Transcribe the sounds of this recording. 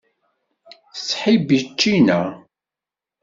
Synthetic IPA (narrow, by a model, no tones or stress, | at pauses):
θəsːħibit͡ʃːinæ